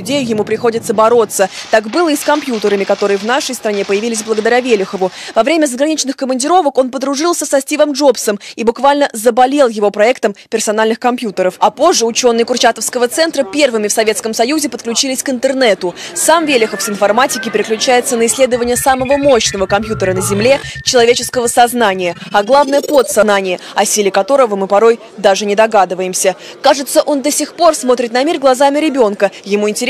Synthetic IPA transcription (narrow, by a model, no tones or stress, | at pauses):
dʲejʊjɪmupɾʲɪxo̞dʲɪt̪səbɐɾo̞t̪sət̪akbɨlˠəiskɐmpʲjut̪əɾəmʲɪkɐt̪o̞ɾɨjəvnaʂəjst̪ɾɐnʲepəjɪvʲilʲɪsʲblˠəɡəd̪ɐɾʲavʲelʲɪxəvʊvɐvɾʲemʲəzəɡɾɐnʲit͡ɕnɨxkəmənʲdʲɪɾo̞vəko̞npəd̪ɾʊʐɨlˠsʲəsɐsʲtʲivəmʐo̞psəmibʊkvalʲnəzəbɐlʲe̞lˠjɪvo̞pɾɐɛkt̪əmpʲɪrsɐnalʲnɨxkɐmpʲjut̪əɾəfɐpo̞ʐːəʊt͡ɕo̞nːɨjkʊrt͡ɕat̪əfskəvət̪sɛnt̪ɾəpʲe̞rvɨmʲɪfsɐvʲet̪skəmsɐjuzʲɪpət̪klʲʉt͡ɕilʲɪsʲkɪnt̪ərnɛt̪ʊsamvʲelʲɪxəfsɪnfɐrmatʲɪkʲɪpʲɪɾʲɪklʲʉt͡ɕæjɪt̪sənəɪsʲlʲe̞d̪əvənʲɪjəsaməvəmo̞ɕnəvəkɐmpjut̪əɾənəzʲɪmlʲe̞t͡ɕɪlˠɐvʲet͡ɕɪskəvəsɐznanʲɪjəɐɡlˠavnəjəpot̪sɐnanʲɪjəɐsʲilʲɪkɐt̪o̞ɾəvəmɨpɐɾo̞j | d̪aʐɨnʲɪd̪ɐɡad̪ɨvəjɪmsʲə | kaʐɨt̪səʔo̞nd̪əsʲɪxpo̞rsmo̞t̪ɾʲɪt̪nɐmʲirɡlˠɐzamʲɪɾʲɪbʲo̞nkəjɪmuɪnʲtʲɪɾʲ